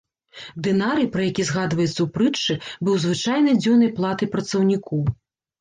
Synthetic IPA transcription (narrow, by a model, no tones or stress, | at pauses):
d̪ɨnaɾɨjpɾɐjakʲizɣad̪vɐjɛt̪sːɐwpɾɨt͡ʂːɨbɨwzvɨt͡ʂajnɐjd͡zʲɔnɐjplˠat̪ɨpɾɐt̪sɐwnʲikɔw